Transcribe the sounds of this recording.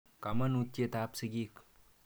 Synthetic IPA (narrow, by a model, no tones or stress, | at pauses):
kamɐnut̪ːjet̪apsiɡik